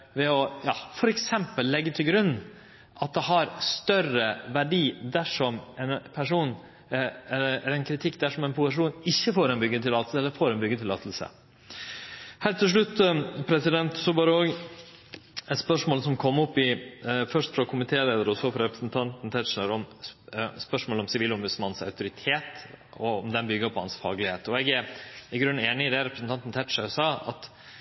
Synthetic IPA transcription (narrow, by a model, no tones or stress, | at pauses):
ʋɛɔjɑ̰ːfɔɾɛksɛmpəlːɛɡːət̪ʰɪlɡɾʉnː | ʔɑt̪̚d̪ɛɦɑɾst̪œrəʋæɖiːd̪æʂɔmɛnpʰæʂuːn | ɛləɛɾɛnkʰɾɪt̪ʰɪkːd̪æʂɔmɛɪnpʰʊsəʂ̬uːnɪçːəfoːɾɛɪnbʏɡət̪ʰɪlɑːt̪̩səɛlːəɾfoːɾɛnbʏɡːət̪ʰɪlɑ̰ːt̪ʰəl̩sə̰ | hæːɾt̪ʰɪlʂ̬ɭʉt̪ːpʰɾɛsɪd̪ɛnt̪sɔbɑːɾəoːɡ | ɛt̪spœʂmoːlsɔmkʰɔmːɔpːɪfœʂt̪fɾɑkʰʊmɪt̪ʰeːleːd̪əɾəɔsɔfɾɑɾɛpɾəsnt̪ʰɑnt̪n̩t̪ʰɛt̪ʂəɾɔm | spœʂmoːlɔmsɪʋiːlɔmbʉd̪smɑnsœ̰ʉt̪ʊɾɪt̪ʰeːt̪ | ɔɔmd̪ɛnbʏɡːəpʰɔhɑ̰nsfɑ̰ːɡlɪheːt̪ɔɛɡæɾɪɡɾʉnːeːnɪɪd̪ɛɾɛpɾəsn̩t̪ʰɑnt̪n̩t̪ʰɛt̪ʂəsɑːɑ̰t̪